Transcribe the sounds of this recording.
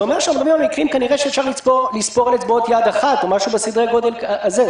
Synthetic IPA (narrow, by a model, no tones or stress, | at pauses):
ome̞ʁʃamʁabimamikʁimkaniʁeʃeːfʃaʁlit͡spoʁlispoʁalet͡sbot̪jad̪aχat̪omaʃubesid̪ʁeɡo̞d̪e̞laaze